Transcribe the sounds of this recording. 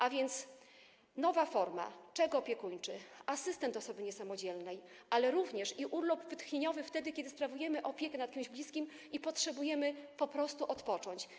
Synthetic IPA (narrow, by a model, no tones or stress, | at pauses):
ʔavʲjɛnt̪s | nɔvafɔɾma̰t͡ʂɛɡɔːpʲjɛkuɲt͡ʂɘasɘst̪ɛnt̪ɔsɔbɘɲɛsamɔd͡ʑɛlnɛj | ʔalɛɾuvɲɛʂiʔulubvɘt̪xɲeɲɔvɘft̪ɛd̪ɘkʲɛd̪ɘspɾavujɛmɘʔɔpʲjɛkɛnat̪̚kɘmʑblʲiskʲim | ipɔtʂɛbujɛmɘpɔpɾɔst̪uʔɔt̪pɔt͡ʂɔɲt͡ɕ